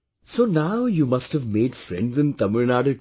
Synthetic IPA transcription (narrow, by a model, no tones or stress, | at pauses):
soːnaʊjuːmɐsʈhəʋmeːɖfɾɛ̰̃ɳɖzɪ̃nt̪ɐməɾnaːɖə